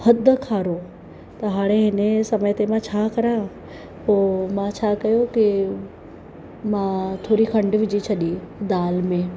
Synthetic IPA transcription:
hɐd̪ʱəkʰaːɾo | t̪ɐɦaːɽ̃eɦɪnesɐməjt̪emãt͡ɕʰaːkɐɾã | poːmãt͡ɕʰaːkɐjoki | mãt̪ʰoːɾixʰɐ̃ɳɖʋɪd͡ʑit͡ɕʰɐɗid̪aːlmẽ

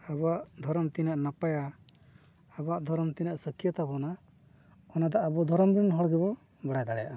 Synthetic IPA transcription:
abaʔd̪ʱɔɾɔmt̪inaʔnapajaː | baʔd̪ʱɔɾmt̪inaʔsəkijət̪abɔna | ɔnad̪ɔʔːbɔd̪ʱɔɾɔmbinɦɔɽɡɛbɔ | baɽajd̪aɽɛja̰ʔa

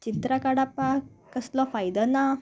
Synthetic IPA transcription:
t͡ɕit̪ɾakaɽapakəslɔfajd̪ɔna

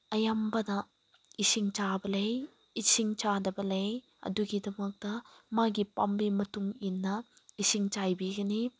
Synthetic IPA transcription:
ɐjambɐnɐ | isiŋt͡ʃabɐlej | isiŋt͡ʃadɐbɐlej | ɐ̰duɡidɐmɐk̚tɐmaɡipɐmbimɐtuŋinːɐisiŋt͡ʃajbiɡɐni

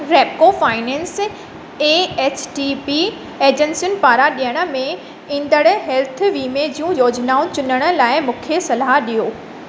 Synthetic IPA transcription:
ɾeːpkofaːɪnɛ̃ːns | eːeːt͡ɕʰʈipi | eːd͡ʑẽnsijʊnpaːɾaɗijəɽ̃ə̆mẽ | ĩːnd̪əɽʊɦɛlt̪̆ʰʋiːmed͡ʑijũjoːd͡ʑnaːũt͡ɕʊnəɽ̃ə̆laːɪmʊ̃kʰesɐlaɗijoː

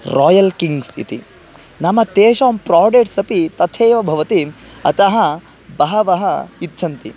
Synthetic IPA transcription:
ɾɔːjɐlkiŋɡsḭt̪ḭ | nɐmɐt̪eːʃaːmpɾaːɖeːʈsɐpit̪ɐt̪ʰeːʋɐbʱɐʋɐt̪iɐ̰t̪ɐɦɐ | bɐɦɐʋɐɦɐit̪ːt͡ʃʰɐnt̪i

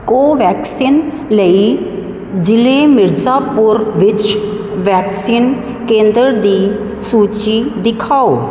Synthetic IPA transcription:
koːʋɛːksiːn | ləiː | d͡ʒɪleːmɪɾzaːpʊɾʋɪt͡ʃ | ʋɛːksiːn | kẽːnd̪əɾd̪iː | suːt͡ʃiːd̪ɪkʰaːoː

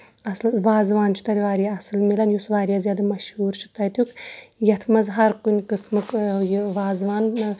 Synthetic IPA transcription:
ɐslʋaːzʋaːnt͡ʃʰu̥t̪ɐlʲʋaːɾjaɐsɨlmelɐnjusʋaːɾʲjaːzʲjaːd̪ɐmɐʃhuːɾt͡ʃʰi̥t̪ɐjt̪ukʰjɐt̪ʰmɐzɦɐɾkunʲkɨsmɨkjʋaːzʋaːn

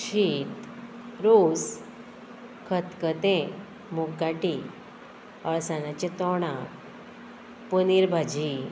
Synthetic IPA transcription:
ɕiːt̪ɾos | kʰət̪kət̪ẽ | muɡːaʈi | əɭsanat͡ɕet̪ɔɽ̃a | puniɾbʱad͡ʑi

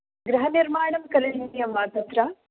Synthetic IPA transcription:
ɡɾɐɦɐniɾmaːɳɐmkɐlɐɦinjɐmʋaːt̪ɐt̪ɾaː

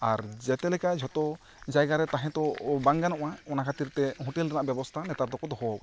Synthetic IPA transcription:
aɾd͡ʒɛt̪ɛlɛkad͡ʒʱɔt̪ɔ | d͡ʒajɡaɾɛt̪aɦɛ̃t̪ɔbaŋɡanɔʔaɔnakʰat̪iɾt̪ɛɦũʈɛlɾanaʔbjɛbɔst̪ʰanɛt̪aɾd̪ɔkɔt̪ɔɦɔk

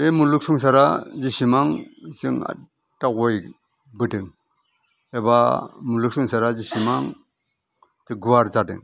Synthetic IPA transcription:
emuluk̚suŋs̬aɾazisimaŋzɯ̰ŋa̰ | tak̚ɔj | bɯdɯŋ | ebamuluk̚suŋsaɾazisimaŋ | tɯɡuwaɾzadɯ̰ŋ

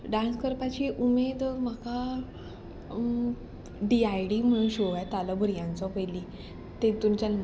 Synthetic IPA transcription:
ɖãnskəɾpat͡ɕiːʔumed̪məka | ɖiajɖiːm̤əɽ̃ũnɕoʋajt̪alabʱəɾjãnt͡sɔpəjli | t̪et̪umt͡ɕa

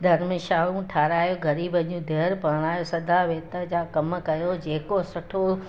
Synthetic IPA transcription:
d̪ʱɐɾmɪʃaːũʈʰaːɾaːjoɡʱɐɾiːbɐʄũd̪ʱeːɾpaːɽ̃aːjosɐd̪ʱaʋeːt̪əd͡ʑaːkɐmkɐjod͡ʑeːkosɐʈʰo

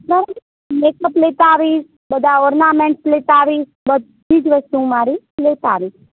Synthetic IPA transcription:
kəɾ | mekəplet̪aːʋis | bəd̪ʱaɔɾnamẽɳʈslet̪aːʋis | bəd̪ʱːiːd͡ʒʋəst̪ũmaɾi | let̪a̰ːʋiʃ

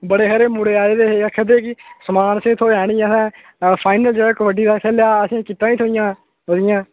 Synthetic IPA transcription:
bəɽeːɦəɾeːmuɽeːaːeːd̪eːɦeːəkʰːəd̪eːkɪsəmaːnəsĩːt̪ʰoːɛːɽ̃iːsɛ̃ː | pʰaːɪnəld͡ʒeːɽakəʋəɖiːd̪aːkʰɛːljaːəsĩːkɪt̪ːãːiːt̪ʰoːɪjãː | ɦod̪ɪjãː

